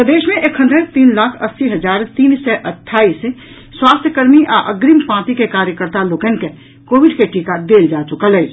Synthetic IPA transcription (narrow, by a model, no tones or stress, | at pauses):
pɾəd̪eːʃmẽʔekʰɦə̃nd̪ɾət̪iːnlaːkʰɐsːiɦɐd͡ʒaːɾt̪iːnsɛʔɐʈʰːaːiːs | swaːst̪ʰjəkəɾmiʔaʔɐɡɾimpãːt̪ikekaːɾjəkəɾt̪aloːkənke | koːʋɪɖkeʈiːkad̪eːld͡ʒaːt͡ʃʊkalɐd͡ʒ